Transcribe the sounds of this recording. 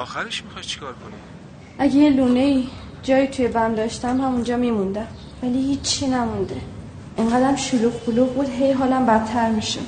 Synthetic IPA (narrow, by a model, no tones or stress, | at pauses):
ɾit͡ʃʰkːɾkon | ʔæɟejeluːne̞iːd͡ʒɒːjiːt̪ʰujebæmd̪ɒːʃt̪æmhæmund͡ʒɒːmimund̪æm | vælihiːt͡ʃʰːinæmund̪e | ʔeŋɢæːd̪æmʃuluːɣboluːɣbuːd̪ɦejɦɒːlæmbæt̪ʰːæɾmiʃḛ